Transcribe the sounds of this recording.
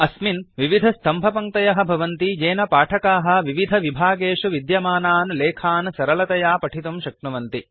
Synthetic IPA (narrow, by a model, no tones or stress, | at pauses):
ɐsminʋiʋid̪ʱɐst̪ʰɐmbʱɐpɐŋt̪ɐjɐɦɐ̆bʱɐʋɐnt̪id͡ʒeːnɐpaːʈʰɐkaːɦɐ̆ʋiʋid̪ʱɐʋibʱaːɡeːʂuʋid̪jɐmaːnaːnleːkʰaːnsɐɾɐlɐt̪ɐjaːpɐʈʰit̪umʃɐkɳɐʋɐnt̪i